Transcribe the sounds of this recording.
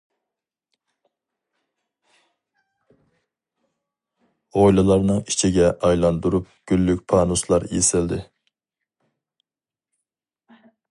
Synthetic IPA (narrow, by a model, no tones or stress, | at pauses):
ojlˠɨlˠɑɾnɨŋit͡ʃʰiɡʲɛʔɑjlˠɑnd̪uɾup̚ɡ̥ʲylːykʲpʰɑːnuslˠɑɾjesɪld̪ɪ